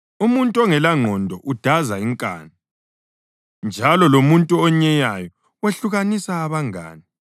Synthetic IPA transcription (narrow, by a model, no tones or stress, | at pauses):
umuntʼɔŋɛlaŋ͡ǃʱɔndʱɔʔud̥ʱazaiŋkʼa̰ːni | nd͡ʒʱalɔlomuntʼuɔɲɛjajɔ | weɬuɣanisaːβaŋa̰ːni